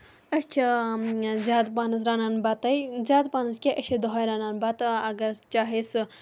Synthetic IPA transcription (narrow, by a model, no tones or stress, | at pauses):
ɐst͡ʃʰi | zʲaːd̪paːnɐs̬ɾaːnanbat̪ɐjzʲaːd̪paːnɐskʲeʔɐʃʰid̪oɦɐjɾaːnaːnbat̪ɐɡɐɾt͡ʃaːɦesɨ